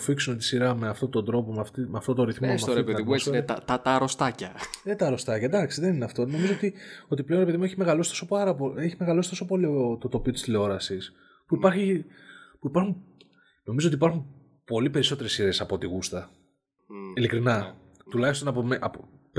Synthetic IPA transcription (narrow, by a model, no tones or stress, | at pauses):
fiksunet̪i̥siɾɐme̞ɐft̪o̞t̪o̞nd̪ɾo̞po̞meɐft̪imeɐft̪o̞t̪o̞nɾiθmomeɐoɾepeðimest̪ɐt̪ɐt̪ɐɾost̪ɐcɐet̪ɐɾo̞st̪ɐcɐd̪ɐksiðe̞nineɐft̪o̞no̞mizo̞ot̪io̞t̪iple̞oɾepe̞ðimueçimeɣɐlo̞sit̪o̞so̞pɐɾɐpoeçime̞ɣɐlo̞sit̪o̞so̞po̞lioot̪ot̪o̞piot̪i̥st̪ileo̞ɾɐsis | puipɐɾçipuipɐɾxun | no̞mizot̪ipɐɾxum | po̞lipe̞ɾiso̞t̪e̞ɾesːiɾe̞sɐpo̞t̪iɣust̪ɐ | ilikɾinɐ | t̪ulɐçist̪o̞nɐpomeʔɐpop